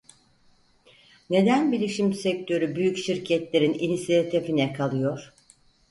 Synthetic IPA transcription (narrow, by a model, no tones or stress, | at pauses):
ne̞d̪ænbilʲiʃimsɛct̪ʰø̞ɾybyjycʃiɾcʰɛt̪lʲe̞ɾininisijat̪ʰifinɛkʰalˠɯjoɾ̥